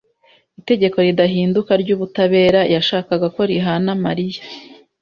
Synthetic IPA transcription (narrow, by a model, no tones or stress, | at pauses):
ite̞ɟe̞ko̞ɾidaɦiːndukaɾɟuːβutaβe̞ːɾajaʃaːkaɡako̞ɾiɦanamaɾijḁ